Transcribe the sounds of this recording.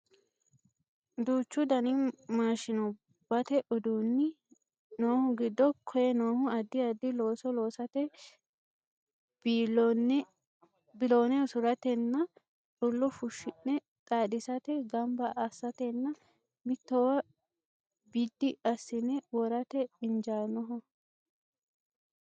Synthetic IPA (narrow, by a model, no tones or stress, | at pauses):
d̪uːt͡ʃːʊd̪ɐnɪmaːʃɪnʊ | b̥ɐt̪ɛʔʊd̪uːnːɪ | noːhʊɡɪd̪ːɔkʰɔjɛnoːhʊɐd̪ːɪɐd̪ːɪlo̞ːsɔlo̞ːsɐt̪ɛ | bɪloːnɛɔsʊɾɐt̪ɛnːɐ | tʊlːɔfʊʃːɪnːɛ | t̪ʼaːd̪ɪsɐt̪ɛɡɐmbɐʔɐsːɐt̪ɛnːɐ | mɪt̪ːɔwɐ | bid̪ːɪɐsːɪnɛwɔɾɐt̪ɛɪnd͡ʒaːnɔɦɔ